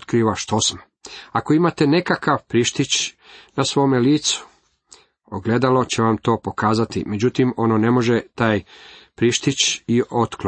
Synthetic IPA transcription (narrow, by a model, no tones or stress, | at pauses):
t̪kɾiʋaʃt̪osm | akoimat̪e̞ne̞kakaʋpɾiʃt̪it͡ɕnasʋo̞ːmeliːt̪su̥ | oɡle̞d̪alo̞t͡ɕeʋamt̪o̞ːpo̞kaːzat̪ḭme̞d͡ʑut̪imo̞none̞mo̞ʒet̪aːjpɾiʃt̪it͡ɕiʔot̪kl